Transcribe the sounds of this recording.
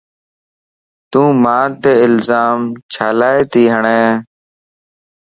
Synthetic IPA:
t̪ũːmãːt̪eːɪlzaːmt͡ʃʰaːlaːeːt̪iːɦəɳẽː

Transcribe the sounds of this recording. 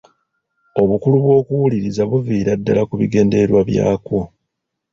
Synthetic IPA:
o̞βukuluβwo̞ːkuwuliɾizaβuviːɾadːa̰lakuβiɡe̞ːnde̞ɾwaβja̰ːko

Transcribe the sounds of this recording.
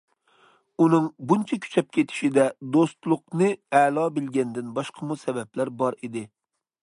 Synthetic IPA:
unɨŋbunt͡ʃʰɛkʲʰy̥t͡ʃʰɛp̚kʲʰet̪ʰɪ̥ʃid̪ɛd̪ost̪lˠʊqnɨɛːlˠɑːbɪlɡʲɛnd̪ɪnbɑʃqʰɑmusɛbɛplæɾbɑɾid̪ɪ

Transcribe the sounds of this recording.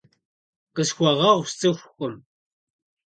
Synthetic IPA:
qʼəsxʷɔʁɐʁʷst͡sʼɨxʷxʷʼʊm

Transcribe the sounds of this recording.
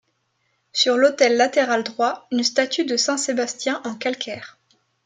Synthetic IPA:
syʁlot̪ɛlːat̪eʁald̪ʁwaynst̪at̪ʰyd̪əsɛ̃sebast̪jɛ̃ʔɑ̃kalkʰʲɛːʁ

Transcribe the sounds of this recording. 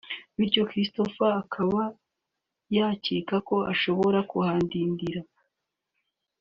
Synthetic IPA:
βiɾɟo̞kɾisto̞faːkʰaβa | jaːciːkako̞a̰ʃo̞βo̞ɾakuhaːndiːndiɾa

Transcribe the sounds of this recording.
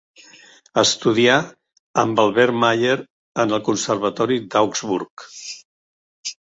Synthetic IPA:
əst̪uðia | əmbalˠβɛɾmaʎeɾ | ənəlˠkunsəɾβ̞ət̪ɔɾid̪awkzβuɾk

